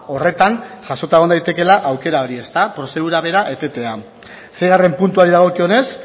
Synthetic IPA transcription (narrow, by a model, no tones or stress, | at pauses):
o̞re̞t̪anʝaso̞t̪aeɣo̞nd̪ajt̪e̞ke̞laʔawke̞ɾao̞ɾie̞st̪apɾo̞se̞ðuɾaβe̞ɾaʔe̞t̪e̞t̪e̞a | se̞jɣare̞mpunt̪uaɾiðaɣ̞o̞kio̞ne̞s